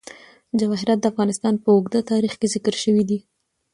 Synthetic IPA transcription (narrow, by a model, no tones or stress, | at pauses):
d͡ʒawɑɦɪɾɑt̪̚d̪əafɣɑnɪst̪ɑnpəʊɡd̪at̪ɑɾixkezɪkəɾʃəwid̪i